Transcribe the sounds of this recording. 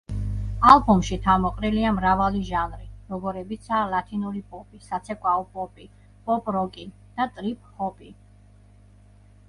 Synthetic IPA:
alˠbɔmʃit̪ʰamɔqʼɾiliamɾavaliʒanɾiɾɔɡɔɾɛbit̪sʰaːlat̪ʰinuɾipʼɔpʼisat̪sʰɛkʼwaɔpʼɔpʼi | pʼɔpʼɾɔkʼin | d̪̥at̪ʼɾipʼhɔpʼi

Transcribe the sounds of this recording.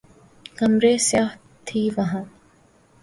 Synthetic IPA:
kɐmɾeːsjaːɦ | t̪ʰiːʋɐɦãː

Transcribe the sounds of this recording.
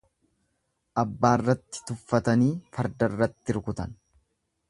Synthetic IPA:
ʔɐbːaːrːɐt̪ːɪ̥t̪ʊfːɐt̪ɐniːfɐɾd̪ɐrːɐt̪ːɪɾkʊt̪ɐn

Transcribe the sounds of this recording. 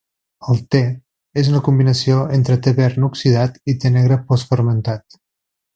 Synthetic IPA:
əlˠt̪e | ezunəkumbinəsioent̪ɾət̪əβɛɾnuksiðat̪it̪enɛɣɾəpɔsfəɾmənt̪at̪

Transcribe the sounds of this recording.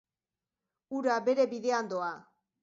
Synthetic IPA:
uɾabe̞ɾe̞βiðe̞and̪oa

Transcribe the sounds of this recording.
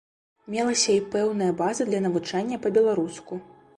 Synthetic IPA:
mʲɛlˠɐsʲɐipɛwnɐjɐbazɨd̪lʲɐnɐvut͡ʂanʲːɐpɐbʲɛlˠaɾusku

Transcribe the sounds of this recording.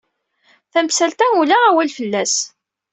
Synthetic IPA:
θæmsælt̪æulææwælfəlːæs

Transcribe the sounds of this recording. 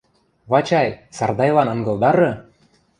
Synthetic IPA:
βɑt͡ɕɑjsɑrd̪ɑjlɑnɤ̆ŋɡɤ̆lˠd̪ɑɾɤ̆

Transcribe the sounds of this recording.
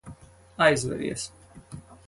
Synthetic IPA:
ajzvɛ̰ɾḭɛs

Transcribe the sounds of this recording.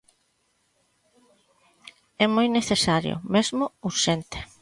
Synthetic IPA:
ɛmojneθesaɾjʊ̰mezmʊuɾʃent̪e̥

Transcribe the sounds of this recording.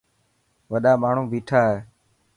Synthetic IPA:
ʋəɗaːmaːɳ̤ũːʋiːʈʰaːɦeː

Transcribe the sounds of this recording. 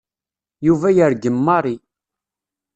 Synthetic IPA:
juvæjəɾɡəmːɑɾˤi

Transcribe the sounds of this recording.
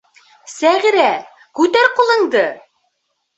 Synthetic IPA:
sæʁiɾæ | kʉt̪æɾqulˠɤ̆ɴd̪ɤ

